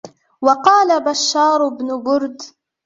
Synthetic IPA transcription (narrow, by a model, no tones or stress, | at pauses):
wɑqɑːlabaʃːɑːɾˤʊbnʊbʊɾd̪